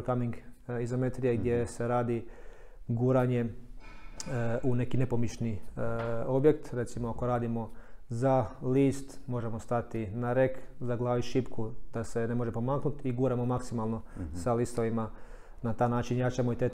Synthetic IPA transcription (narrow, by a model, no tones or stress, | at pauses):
kamiŋɡizame̞t̪ɾijeɡd̪je̞se̞ɾaːd̪i | ɡuːɾaɲe̞ | ʔune̞kine̞po̞miʃni | o̞bje̞kt̪ɾe̞t̪simoakoɾaːd̪imo̞zaliːst̪mo̞ʒe̞mo̞st̪at̪inaɾe̞kzaɡlˠaːʋiʃipkʰud̪̥ase̞ne̞mo̞ʒe̞po̞maːknut̪iɡuːɾamo̞maksimalˠno̞salist̪oʋima | nat̪aːjnaːt͡ʃinjat͡ʃamoit̪e